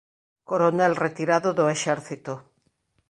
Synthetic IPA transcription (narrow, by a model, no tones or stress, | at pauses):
koɾonelret̪iɾaðoðoeʃeɾθit̪o